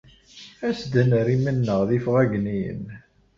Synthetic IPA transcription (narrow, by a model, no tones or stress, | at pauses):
æsd̪ənɾimənːəʁðifʁæɡnijə̰n